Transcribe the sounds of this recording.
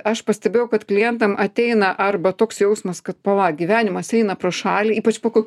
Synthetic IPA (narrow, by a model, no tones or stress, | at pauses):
ɐʃpɐsʲt̪ʲɛbʲeːjʊkɐt̪klʲɪjɛnt̪ɐmʔɐt̪ʲɛɪnɐʔɐrbɐt̪oːksjɛʊsmɐskɐt̪̚pɐʋɐɡʲɪʋʲæːnʲɪmɐsɛɪnɐpɾoʃɑːlʲiiːpɐt͡ʃpoːkoː